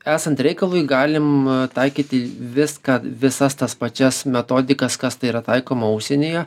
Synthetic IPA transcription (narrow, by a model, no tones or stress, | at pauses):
æːsɐnt̪ɾʲɛɪkɐlˠujɡɑːlʲɪmt̪ɐɪkʲiːt̪ʲɪʋʲɪskɑʋʲɪsɐst̪ɐspɐt͡ʃʲɛsmʲɛt̪oːd̪ʲɪkɐskɐst̪ɐɪiɾɐt̪ɐɪkoːmɐʊʃʲsʲenʲeːjɛ